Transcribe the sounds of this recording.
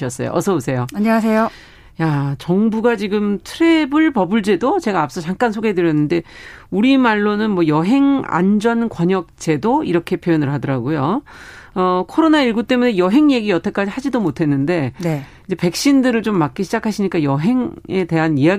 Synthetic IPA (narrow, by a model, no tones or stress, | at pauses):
ʌs͈ʌ̰jo̰ʔʌsʰʌbosʰe̞joaɲʌŋasʰejo | jat͡ɕʌŋbuɡat͡ɕiɡɯmtʰɯɾe̞bɯɭpʌbɯɭt͡ɕ͈e̞dot͡ɕe̞ɡaːp̚s͈ʌt͡ɕaŋk͈ans̬ʰoɡedɯɾjʌnːɯnde̞uɾimaɭːonɯnmwʌjʌɦe̞ŋa̰nd͡ʑʌnkwʌɲʌk̚t͡ɕ͈e̞doiɾʌkʰe̞pʰjojonɯɭɦadʌɾaɡojo | ʌkʰoɾonaiɭɡut͈e̞mune̞jʌɦe̞ŋje̞ɡijʌtʰak͈ad͡ʑihad͡ʑidomotʰe̞nːɯnde̞neind͡ʑe̞pe̞k̚ɕ͈indɯɾɯɭt͡ɕomːak͈iɕʰid͡ʑakʰaɕʰiɲik͈ajʌɦe̞ŋe̞te̞ɦaniaɡ